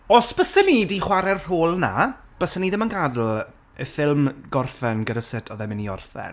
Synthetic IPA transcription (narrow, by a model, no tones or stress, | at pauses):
ɔsb̥əsənidiχwaɾɛr̥oːlˠna̰b̥əsəniðɪmənɡadlˠ | əfɪlˠmɡ̥ɔrfɛnɡədasɪtʰɔðɛmɪniɔ̰rfɛ̰n